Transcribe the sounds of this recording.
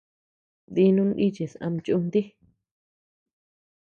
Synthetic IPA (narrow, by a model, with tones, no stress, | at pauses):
d̪i˧nũ˧ni˦t͡ʃe˨sã̰˧m˧t͡ʃu˦˧nd̪i˦